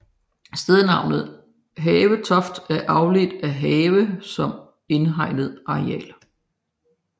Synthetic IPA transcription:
sd̥eð̞ˠnɑ̈ʊ̰nð̞̩ˠ | ɦɛːʋət͡sʰɒ̽fd̥æɐʔɑ̈ʊled̥æɦɛːʋəsɒ̽m | e̝nɦɑ̈ɪ̰nð̞̩ˠɑ̈iɛ̰ːl

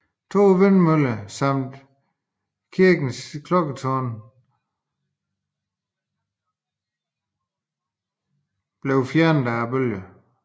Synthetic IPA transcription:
t͡sʰo̝̰ːʋenmøləsɑ̈m̰d̥ | kʰiɐɡ̥n̩skʰlɔɡ̥ət͡sʰɔn | b̥leʊfjæɐnəd̥æb̥øljə

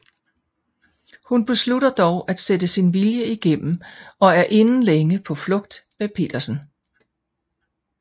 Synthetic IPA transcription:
hunb̥e̝sluɾɐd̥ɒʊʔæd̥sed̥əsinʋiljəiɡ̥em̰m̩ɒ̽æɐʔe̝nn̩leŋəpʰɒ̽flɔ̽ɡ̥̚d̥mepʰe̝̰ːd̥ɐsn̩

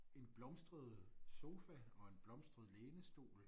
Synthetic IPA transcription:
e̝nb̥lɒ̽msd̥ʁəð̞̩ˠso̝ːfæɒ̽e̝nb̥lɒ̽msd̥ʁɐð̞ˠleːnəsd̥o̝̰ːl

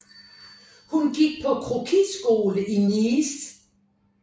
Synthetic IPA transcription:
hunɡ̥iɡ̥̚pʰɒ̽kʰʁokʰi̥sɡ̥o̝ːləʔiniːs

